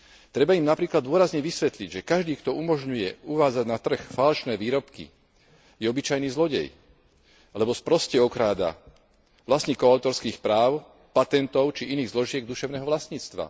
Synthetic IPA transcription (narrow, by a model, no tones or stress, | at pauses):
t̪ɾɛbaimnapɾiːklad̪d̪ʊɔɾazɲɛʋisʋɛt̪liɟʒɛkaʒd̪iːkt̪ɔʔumɔʒɲujɛuʋaːd͡zaɟnat̪r̩xfalʃnɛːʋiːɾɔpkḭ | jɛɔbit͡ʃajniːzlɔɟɛ̰j | lɛbɔspɾɔscɛɔkɾaːd̪a̰ | ʋlasɲiːkɔaʊt̪ɔɾskiːxpɾaːʊ | pat̪ɛnt̪ɔʊt͡ʃiʔiniːɣzlɔʒɪɛɡ̚d̪uʃɛʊnɛːɦɔʋlasɲiːt͡st̪ʋa̰